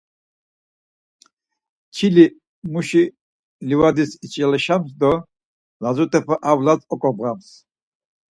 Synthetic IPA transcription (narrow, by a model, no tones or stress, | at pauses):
t͡ʃʰili | muʃi | livad̪isit͡ʃʼɛlɛʃams̬d̪ɔ | lazut̪ʰʼɛpʰaʔavlat͡sʼɔkʼɔbʁams